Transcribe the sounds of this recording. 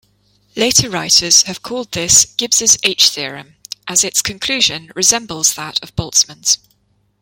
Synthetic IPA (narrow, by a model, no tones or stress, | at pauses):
leɪtʰəɹaɪtʰəz̥həv̥kʰɔːlˠd̪̚ðɪsɡ̥ɪbz̥ɪzeɪt͡ʃθɪəɹə̰̃mʔəzɪtskʰə̃nkʰl̥ʉːʒə̃nɹɪzɛ̃mbəlˠz̥ðətʰəvbɒlˠtsmə̃nz̥